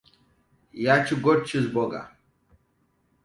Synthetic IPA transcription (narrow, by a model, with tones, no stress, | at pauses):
ja˦t͡ʃʰi˦ɡɔ˦ɾ̚t͡ʃʰi˦zbɔ˨ɡa̰˨